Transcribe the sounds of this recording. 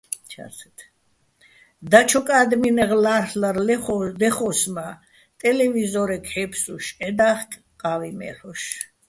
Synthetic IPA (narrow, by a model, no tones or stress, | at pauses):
t͡ʃʰa̰sʰɛt̪ʰ | d̪at͡ʃʰɔkʼaːd̪minɛʁlahlaɾlɛɔd̪ɛχɔsma | t̪ʼɛlɛvizɔɾɛkʰhɛpʰsuʃɛd̪aχkʼ | qʼavimɛ̰ɾɔʃ